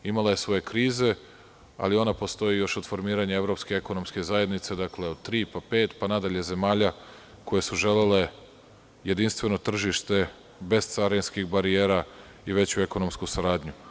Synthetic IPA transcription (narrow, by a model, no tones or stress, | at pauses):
imalˠaje̞sʋo̞je̞kɾiːze̞ | a̰lio̞napo̞st̪o̞jijo̞ʃod̪fo̞ɾmiːɾaɲae̞vɾo̞pskeeko̞no̞mske̞zaje̞d̪nit̪se̞d̪akle̞o̞d̪̥̚t̪ɾiːpape̞ːt̪panad̪aʎe̞ze̞maːʎa | ko̞je̞suʒe̞lele̞ | je̞d̪inst̪ʋe̞no̞t̪r̩ʒiʃt̪e̞ | be̞z̥t̪saɾenskixbaɾie̞ːɾa | iʋe̞t͡ɕue̞ko̞nomskusaɾaːd̪ɲu